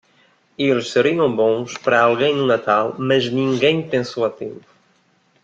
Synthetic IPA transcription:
elʃseɾiɐ̃w̃bõspɐɾɐalˠɣẽj̃nunat̪alˠmɐznĩŋɡẽj̃pẽnsowɐt̪ẽmpu̥

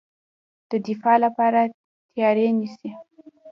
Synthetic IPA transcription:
d̪̥əd̪ɪfɑlapɑɾa | t̪jɑɾenisi

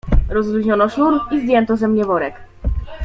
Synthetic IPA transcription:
ɾɔzɾuʑɲɔnɔʂnuɾizd̪ʲjɛnt̪ɔzɛmɲɛvɔɾɛk

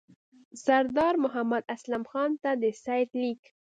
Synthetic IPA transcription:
saɾd̪ɑɾmʊɦamad̪aslamxɑnt̪ad̪əsɑjt̪lik

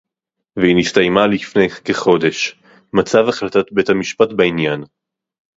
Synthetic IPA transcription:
vehinistajmalifne̞jkeχo̞de̞ʃ | mat͡savaχlatat̪be̞thamiʃpatbainjan

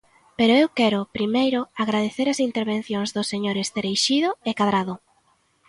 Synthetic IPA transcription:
peɾʊewkɛɾʊpɾimejɾʊaɣɾað̞eθeɾɐsint̪eɾβẽn̟θjoŋzðʊseɲoɾɪst̪eɾejʃiðʊekaðɾaðʊ

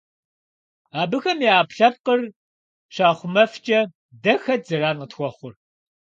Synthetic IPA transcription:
aːbɨxɐmiaːpɬɐp̚qər | ɕaːχʷʊmɐft͡ʃʼɐ | dɐxɐt̚zɐɾaːnqətxʷɔχʷʊr

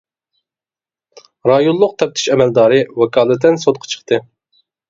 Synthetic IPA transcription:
ɾɑjonlˠːʊq̚t̪ʰɛp̚t̪ʰi̥ʃɛmɛld̪ɑːɾɨwɛkʰɑːlˠɨt̪ːɪnsot̪̚qʰɑ̥t͡ʃʰə̥χt̪ʰɨ

